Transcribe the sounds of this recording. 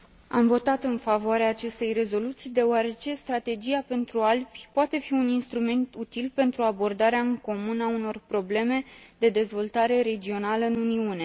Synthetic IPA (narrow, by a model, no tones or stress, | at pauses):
a̰mvo̞t̪at̪ɨnfavoaɾeaːt͡ʃe̞st̪e̞jre̞zo̞lut̪sijd̪e̞oaɾe̞t͡ʃe̞st̪ɾat̪e̞d͡ʒiape̞nt̪ɾualbʲpoat̪e̞fiuninst̪ɾume̞nt̪ut̪ilpe̞nt̪ɾuabo̞rd̪aɾeaɨŋko̞munauno̞rpɾo̞ble̞me̞d̪e̞d̪e̞zvo̞lt̪aɾe̞ɾe̞d͡ʒio̞naləɨnuniune̞